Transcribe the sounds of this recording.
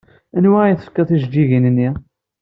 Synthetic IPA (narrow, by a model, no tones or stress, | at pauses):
ænwæjθə̥fkːæθiʒd͡ʒiʝinənːi